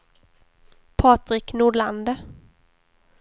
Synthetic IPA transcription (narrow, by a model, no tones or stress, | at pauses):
pʰɑːt̪ɾɪknuːɖɭand̪ə